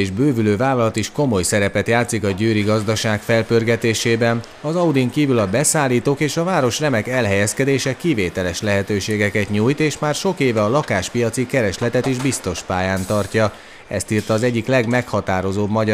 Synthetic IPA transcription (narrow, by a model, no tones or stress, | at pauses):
ʒbøːvyløːvaːlɒlɒt̪iʃko̞mo̞jsɛɾɛpɛt̪jaːt̪sikɒɟøːɾiɡɒzd̪ɒʃaːkfɛlpørɡɛt̪eːʃeːbɛn | ɒzɒud̪iŋkiːvylɒbɛsaːlːiːt̪oːkeːʃɒvaːɾo̞ʃrɛmɛkɛlɦɛjɛskɛd̪eːʃɛkiveːt̪ɛlɛʃlɛɦɛt̪øːʃeːɡɛkɛt̪ɲuːjt̪eːʃmaːrʃo̞keːvɛɒlɒkaːʃpijɒt̪sikɛɾɛʃlɛt̪ɛt̪iʒbist̪o̞ʃpaːjaːnt̪ɒrcɒ | ɛ̰st̪iːrt̪ɒːzɛɟːiklɛɡmɛkhɒt̪aːɾo̞zoːbmɒɟ